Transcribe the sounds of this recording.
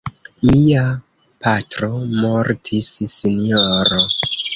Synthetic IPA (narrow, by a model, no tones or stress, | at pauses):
mia | pʰatɾo̞moɾtʰisːinijoɾo